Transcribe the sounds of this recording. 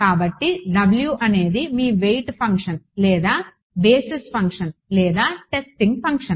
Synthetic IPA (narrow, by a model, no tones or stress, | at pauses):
kaːbɐʈːiɖɐbljuʔɐne̞ːd̪imiːʋejʈpʰɐŋkʂɐnlɛːd̪aː | beːsispʰɐŋkʂɐnlɛːd̪aːʈesʈiŋɡ̚pʰɐŋkʂɐn